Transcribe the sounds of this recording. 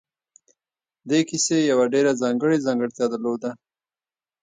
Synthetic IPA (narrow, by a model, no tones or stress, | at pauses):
d̪ekisejawaɖeɾazɑŋɡəɽezɑŋɡəɽt̪jɑd̪əɾlod̪a